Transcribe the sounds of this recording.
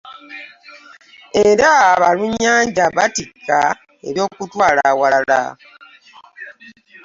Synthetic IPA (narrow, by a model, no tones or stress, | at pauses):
eɾaβaluɲːaːɲd͡ʒaβatikːa | e̞̰ɾjo̞ːkutwaːlawaala̰